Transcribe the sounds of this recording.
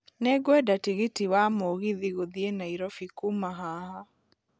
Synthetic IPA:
nɛɡwɛdatiɣitiwamoɣiðiɣoðienaiɾɔfikumaɦaha

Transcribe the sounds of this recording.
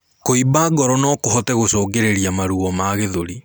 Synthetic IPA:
koibaɡɔɾɔnɔkohɔtɛɣosɔːɡeɾeɾiamaɾuɔmaɣeðoɾi

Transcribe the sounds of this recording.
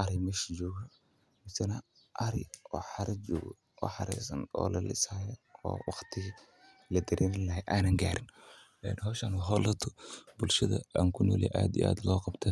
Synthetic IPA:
ʔɐɾɪmɐʃd͡ʒɔːɣɐ | mɪsɐnɐ | ʔɐɾɪ̰jʔɔːħɑɾʔɐd͡ʒɔːɣɐ | ɔːħɑɾɛ̰sɐ̰nɔ̰ːlɐlɪ̰shaːjɐɔ̰ːwɑxt̪ʰɪɣ | lɐd̪ɐɾʔeːnɪlɐɦɛʔaːnɐŋɡaːɾɪn | ɛnɦɔːʃɐnɦɔlɐt̪ʰɔbʊlʃɐðɐ̰aːŋkʰʊnɔ̰ːlɛ̰ʔa̰ːd̪iʔa̰ːd̪lɔːqɑbt̪ʰɐ

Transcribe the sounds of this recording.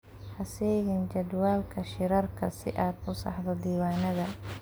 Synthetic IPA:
ħɑsɛːɣɪnt͡ʃɐd̪waːlkʰɐʃɪɾɐrkʰɐsɪ̰ʔaːd̪ʊsɑ̰ħðɐd̪iːwaːnɐðɐ

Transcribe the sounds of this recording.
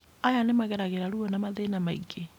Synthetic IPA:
ajanemaɣɛɾaɣeɾaɾuɔnamaðenamaiɡe

